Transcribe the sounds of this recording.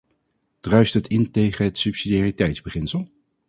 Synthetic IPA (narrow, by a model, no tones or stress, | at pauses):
d̥rœɥstətʰɪntejχənɦətsʉpsidaːritɛjtzbəχɪnsəlˠ